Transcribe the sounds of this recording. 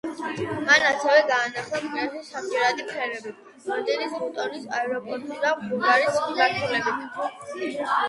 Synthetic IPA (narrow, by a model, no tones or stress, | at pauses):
manasɛvɛɡaːnaχlˠakʼmɛɾzisamd͡ʒʼɛɾad̪ipʰɛlɛbi | ɾamd̪ɛnisut̪ʼɔɾisaɛɾɔpʼɔɾt̪ʼid̪amʁuɡaɾisχiɡ̪aɾt̪ʰulɛbit̪ʰ